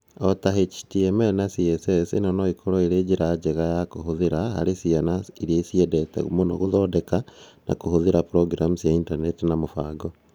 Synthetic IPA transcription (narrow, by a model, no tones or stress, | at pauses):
otahet͡ʃi̥tiemenasiesesinanoikʰoɾoiɾed͡ʒiɾad͡ʒeɣajakuhuðiɾaha̰ɾisianaiɾiesiedetḛɣṵmonoɣuðoːdekana̰kuhuðiɾapuɾoɡɾamusjaintanetinamofaɡo